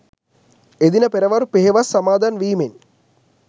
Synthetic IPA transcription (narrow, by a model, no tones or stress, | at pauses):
ed̪inɐpeɾɐʋaɾupeɦeʋasɐmaːd̪ʱaːnʋiːmen